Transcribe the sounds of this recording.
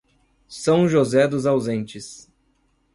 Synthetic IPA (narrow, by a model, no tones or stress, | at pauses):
sɐ̃w̃ʒozɛd̪ʊzawzẽnt͡ʃɪs